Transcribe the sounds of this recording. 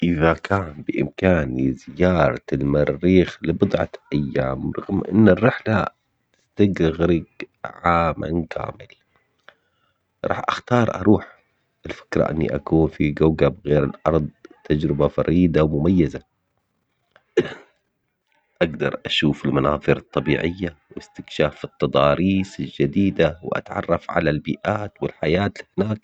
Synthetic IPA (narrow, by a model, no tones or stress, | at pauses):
ʔɪðakʰaːnbɪʔɪ̰mkaːnizɪjɑːɾˤɑlmarːiːxlɪbʊd̪ˤʕɑ̰ʔajːaːmɾˤɑɣmʔɪ̰nːɪrːɪħla | t̪ɪ̥st̪aɡɾɪɣɾɪɡʕaːmʔa̰nkʰa̰ːmɪl | ɾˤʔɑːħʔaxt̪ɑːɾˤʔɑ̰ɾˤuːħ | ʔɪlfɪ̥kɾˤɑ̰ʔɪ̰nːḭʔa̰kuːnfiɡawɡabɣeːɾɪlʔɑɾˤðˤt̪ad͡ʒɾɪbafɑ̰ɾʔiːd̪awmʊmajːaza | ʔaɡd̪ɑ̰ɾˤʔaʃuːfɪlmanɑ̰ːðˤɨɾɑt̪ˤːɑbiːʕɪjːawɪst̪ɪkʃaːfɨt̪ːɑd̪ˤɑːɾiːsɪld͡ʒad̪iːd̪awʔa̰t̪ʕɑ̰rˤːɑfʕa̰lalbiːʔaːt̪wɪlħajaːt̪lɪhnaːk̚